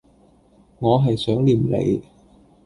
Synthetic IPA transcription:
ŋɔː˨˧ɦɐ˨jsœː˨˥ŋliː˨˩mlḛ˨˧j

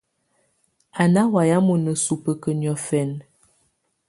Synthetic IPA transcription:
a˨na˦wa˨ja˦mo˨nə˨su˨pə˨kə˨njɔ˨fɛ˨n

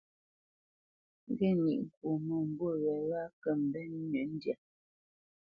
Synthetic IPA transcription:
ŋ̩˨ɡɛ˦nḭ˨ʔŋ̩˨kwo˨mɔ˨m̩˨bo˦˨ɣɛ˨ɣa˦kɛ˦˨m̩˨bɛ˦n˦ɲə˨˦n̩˦dja˨

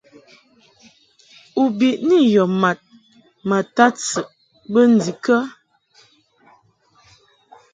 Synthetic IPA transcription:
u˨bi˨ʔni˦jɔ˨ma˨t̚ | ma˨ta˦t͡sə˨ʔ | bə˦n̩˨di˨kə˦

